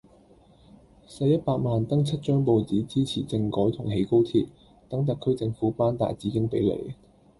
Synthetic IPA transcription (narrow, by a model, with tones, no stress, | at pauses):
sɐ˧jɐ˥t̚paː˧k̚maː˨nt̪ɐ˥ŋt͡sʰɐ˥t̚t͡ʃœː˥ŋpo˨wt͡siː˨˥t͡siː˥t͡sʰiː˨˩t͡sɪ˧ŋkɔː˨˥jt̪ʰʊ˨˩ŋɦe˨˥jko˥wt̪ʰiː˧t̚ | t̪ɐ˨˥ŋt̪̬ɐ˨kʰːɵ˥ɥt͡sɪ˧ŋfuː˨˥paː˥nt̪a̰ː˨jt͡siː˨˥kɪ˥ŋpe˨˥jlḛ˨˥˩